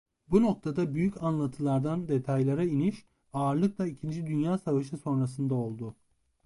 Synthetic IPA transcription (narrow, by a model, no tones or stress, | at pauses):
buno̞k̚t̪ʰad̪abyjycʰanlˠat̪ʰɯlˠaɾd̪and̪e̞t̪ʰajlʲˠaɾainiʃ | aːɾlˠɯk̚lˠaicʰind͡ʒid̪ynjaːsavaʃɯso̞nɾas̬ɯnd̪ao̞lˠd̪ʊ